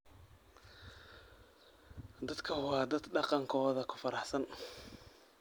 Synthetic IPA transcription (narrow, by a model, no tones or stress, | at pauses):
d̪ɐd̪kʰɐwɑːd̪ɐd̪ɖɑqɑŋkʰɔːðɐkʰʊ̥fɐɾɑħsɐn